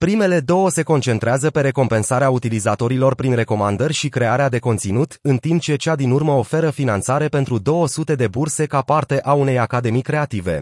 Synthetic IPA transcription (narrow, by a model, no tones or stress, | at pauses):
pɾime̞le̞d̪o̞wəse̞ko̞nt͡ʃe̞nt̪ɾeazəpe̞ɾe̞ko̞mpe̞nsaɾeaut̪ilizat̪o̞ɾilo̞rpɾinre̞ko̞mand̪ərʲʃikɾe̞aɾead̪e̞ko̞nt̪sinut̪ɨnt̪imp̚t͡ʃe̞t͡ʃad̪inurməofe̞ɾəfinant̪saɾe̞pe̞nt̪ɾud̪o̞wəsut̪e̞d̪e̞burse̞kapart̪e̞ʔaune̞jakad̪e̞mikɾe̞at̪ive̞̰